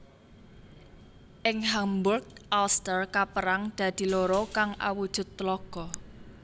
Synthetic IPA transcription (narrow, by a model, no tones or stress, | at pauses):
ʔɪŋɦambʊrɡ̚ʔalst̪ərkapəɾaŋd̪̥ä̤d̪̥i̤loɾɔkaŋʔa̰wud̥ʒ̥ʊ̤t̪ːlɔɡ̥ɔ